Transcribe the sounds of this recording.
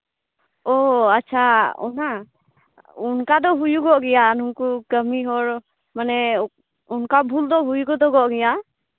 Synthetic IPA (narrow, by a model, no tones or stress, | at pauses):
ɔatːt͡ʃʰaɔ̰na | unkad̪ɔɦujuɡɔʔɡɛjanuŋkukəmiɦɔɾ | manɛ | unkabʱuld̪ɔɦujuɡɔd̪ɔɡɔʔɡɛja